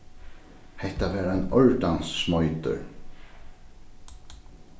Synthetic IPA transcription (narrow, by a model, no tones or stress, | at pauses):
hɛht̪avɛːɾanɔɹt̪ansːmɔjt̪ʏ̰ɾ